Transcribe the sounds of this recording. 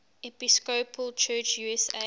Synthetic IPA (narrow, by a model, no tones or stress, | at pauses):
ɛpiskopʰəlt͡ʃʰɜːt͡ʃjuɛsḛ